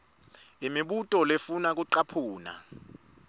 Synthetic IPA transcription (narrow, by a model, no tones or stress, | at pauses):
imiɓutʼɔlefunak̬uǀapʰuːna̰